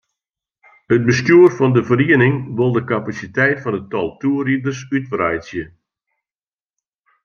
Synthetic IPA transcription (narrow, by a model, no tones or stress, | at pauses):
ət̚bəstuərfɔndəfəriənɪŋʋɪlˠdəkapasitɛjtfɔnətɔlˠtʰuəridərsytfrajsjə